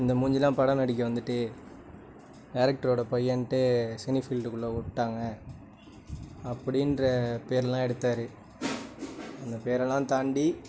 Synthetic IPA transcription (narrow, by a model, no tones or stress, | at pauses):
ɪnd̪ɐmʊːɲd͡ʒɪlãːpɐɽɐmɐɽɪk̬ʲːɯʋɐnd̪ɯʈːɯ | kaːɾɐk̚ʈɐɾoːɽɐpɐjːɐnʈːesɛnifɪlɖɯkːɯɭːoːkʊɯʈːaːŋɡɐ | pːɐɽɪnɾɐpeːɾɛlãːɛɽɯt̪ːaːɾɯ | ɐnd̪ɐpeːɾɛlãːt̪aːɳɖi